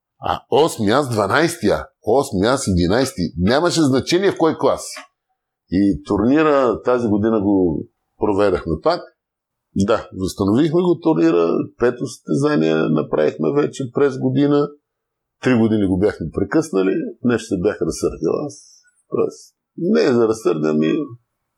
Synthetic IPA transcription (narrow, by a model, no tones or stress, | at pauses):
a̰ɔsmiasd̪vɐnajst̪ia̰ | ɔsmiasid̪inajst̪inʲaməʃɛznɐt͡ʃɛniɛfkɔjklˠasi̥ | it̪ʊɾniɾət̪aziɡod̪inəɡo | pɾovɛd̪ɐxmɛp̪ak | d̪azɐst̪ɐnovixmɛɡot̪ʊɾniɾə̰pɛt̪osst̪ɛzaniɛ̰nɐpɾa̰vixmɛvɛt͡ʃɛpɾɛzɡod̪inə | t̪ɾiɡod̪iniɡobjaxmɛpɾɛkɤsnəlinɛʃt̪ɛbʲjaxɾɐsɤɾd̪ʲə̰lˠa̰s | t̪ɔ̰ɛ̰s | nɛzɐɾɐsəɾd̪ʲə̰mi